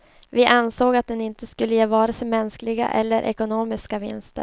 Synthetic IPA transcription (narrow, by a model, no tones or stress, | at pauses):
vɪʔansoːɡat̪̚d̪ɛnɪnt̪əskɵlːəjeːvɑːɾasɛmɛnsklɪɡa̰ʔɛ̰lːəɾʔɛ̰kʊnoːmɪskavɪ̰nst̪ə̰ɾ